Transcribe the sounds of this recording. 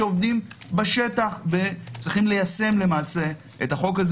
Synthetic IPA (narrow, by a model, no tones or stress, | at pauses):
eovdimbaʃe̞taχve̞t͡sʁiχimle̞jase̞mle̞maːse̞ | ʔetaχo̞kaz